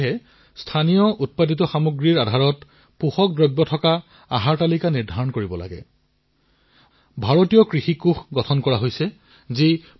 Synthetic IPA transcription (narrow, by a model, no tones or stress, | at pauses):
ɦɛ | stʰanijɔʔut̚paditɔxamuɡɹiɹadʱaɹɔt | puxɔk̚dɹɔjbːjɔtʰɔka | a̰ɦaɹtalikaniɹdʱaɹɔnkoɹibɔla̰ɡɛ̰ | bʱaɹotijɔkɹixikuxɡɔtʰɔnkɔɹaɦojsɛ | zi